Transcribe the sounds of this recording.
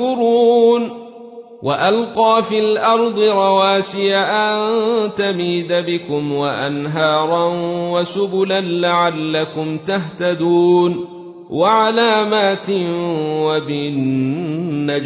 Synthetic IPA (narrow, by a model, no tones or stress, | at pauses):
ʊɾuːn | wʔaʔalqɑːfiːlʔɑɾˤd̪ˤɨɾˤɑwaːsɪjaʔant̪amiːd̪abɪkʊmwaʔanɦɑːɾˤɑnwasʊbʊlanlaʕalːakʊmt̪aht̪ad̪uːn | waʕalaːmaːt̪ɪwabɪnː | a